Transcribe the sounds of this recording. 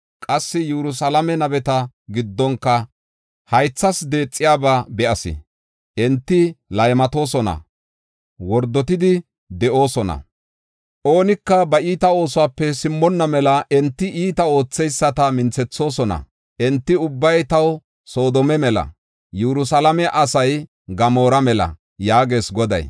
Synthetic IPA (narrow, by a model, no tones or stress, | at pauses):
kʼɐsːɪjɛɾʊs̬ɐlɐmɛnɐbɛt̪ɐ | ɡɪd̪ːɔŋkːɐ | hɐjt͡sːɐsd̪e̞ːt͡sʼːɪjaːbabɛʔɐsɪ̰ | ʔɛnt̪ːɪlɐjmɐt̪o̞ːsɔnɐ̰ | wɔɾd̪ːɔt̪ɪd̪ɪ | d̪ɛʔo̞ːsɔnɐ̰ | ʔo̞ːnɪkːɐbɐiːt̪ɐo̞ːsʊwaːpːɛsɪmːɔnːɐmɛlɐʔɛnt̪ːɪʔiːt̪ɐo̞ːt͡sːɛjsːɐt̪ɐmɪnt͡sːɛt͡sːo̞ːsɔnɐ̰ | ʔɛnt̪ːɪʊbːɐjt̪ɐw | so̞ːd̪ɔmɛmɛlɐ̰ | jɛɾʊsɐlɐmɛʔɐsɐj | ɡɐmo̞ːɾɐmɛlɐ̰ | jaːɡe̞ːsɡɔd̪ɐ̰j